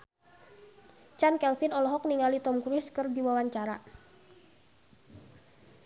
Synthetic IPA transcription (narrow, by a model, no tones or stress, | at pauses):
t͡ʃankɛlfɪnɔlɔɦɔk̚niŋalit̪ɔmkɾʊskɨrdiwawaɲt͡ʃaɾa̰